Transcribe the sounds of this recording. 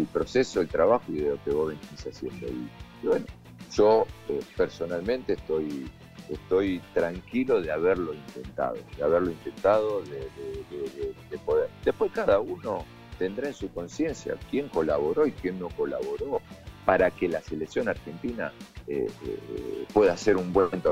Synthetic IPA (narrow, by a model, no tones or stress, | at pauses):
elpɾo̞sesoelt̪ɾaβaxoiðelo̞ke̞βoβentisasjenp̪ɾḛiiβweno | ʒ̥oepeɾso̞nalmẽnt̪eːht̪o̞j | est̪o̞jt̪ɾaŋkilo̞ðeaβeɾlo̞int̪e̞nt̪a̰ð̞o̞̰ðeaβeɾlo̞int̪e̞nt̪að̞o̞ðeðeðeðed̪epo̞ðeɾd̪e̞hpwe̞hkaðauno̞ | t̪e̞nd̪ɾae̞nsuko̞nsje̞nsja̰kje̞ŋko̞laβo̞ɾo̞ikje̞nːo̞ko̞la̰βo̞ɾo̞paɾakelase̞leksjo̞naɾxe̞nt̪ina̰ḛ | pwe̞ðaseɾumbwent̪o